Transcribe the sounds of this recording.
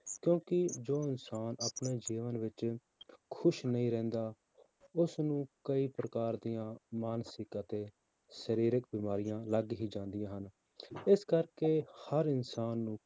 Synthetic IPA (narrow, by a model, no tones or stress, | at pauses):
kjõːkɪd͡ʒoːɪnsaːnaːpneːd͡ʒiːʋənʋɪt͡ʃ | kʰʊʃnəĩːɾɛ̃ːnd̪aː | ʊsnũːkəiːpɾəkaːɾd̪ijãːmaːnsɪkət̪eː | ʃəɾiːɾɪkbiːmaːɾɪjãːləɡɦiːd͡ʒãːnd̪ɪjãːɦən | ɪskəɾkeːhəɾɪnsaːnːũː